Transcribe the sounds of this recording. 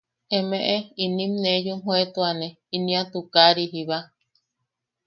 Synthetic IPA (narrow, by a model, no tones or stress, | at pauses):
emẽʔeinĩmnejumɦõet̪uanẽ | inĩãt̪ukaɾiɦiβa